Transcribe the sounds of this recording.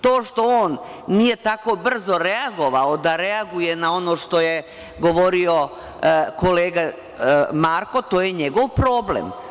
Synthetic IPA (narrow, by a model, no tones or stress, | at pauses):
t̪o̞ːʃt̪o̞oːnː | ije̞t̪ako̞br̩zo̞ɾeaɡo̞ʋao̞d̪aɾeaɡuje̞nao̞no̞ʃt̪o̞je | ɡo̞ʋo̞ɾio̞ | ko̞leːɡa | maːɾko̞t̪o̞ːjeɲeɡo̞ʋpɾo̞ːblḛm